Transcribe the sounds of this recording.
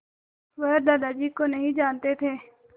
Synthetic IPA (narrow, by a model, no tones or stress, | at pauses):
ʋeɦd̪aːd̪aːd͡ʒiːkonɐɦĩd͡ʒaːnt̪et̪ʰeː